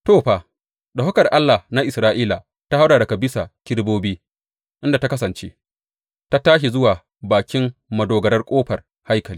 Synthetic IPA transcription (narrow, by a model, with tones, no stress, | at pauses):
toː˦˨ɸa˨ | ɗa˨hʊ˦kɐ˨rʔa˦lːa˨hna˦ʔɪ˨sɾaː˦ʔiː˦la˨ | ta˦ha˦wdaː˨da˨kɐ˨bɪ˦sa˨kʲɪ˦ɽboː˦biː˦ | ʔɪ˦nda˨ta˦kɐ˦sɐ˨nt͡ʃḛ˦ | ta˦taː˦ʃ̬i˨zʊ˦waː˨ | baː˨kʲɪ˦mmɐ˨doː˨ɡɐ˨ɾɐ˦rkʷʼoː˦ɸɐ˨r | ha˦jkɐ˨liː˦